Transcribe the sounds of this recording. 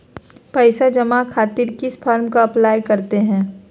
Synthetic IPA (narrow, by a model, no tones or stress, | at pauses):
pɛɪsad͡ʒɐmakʰaːt̪iɾkɪspʰaːɾmkaɐplaːjkɐɾt̪eɦɛ̃ː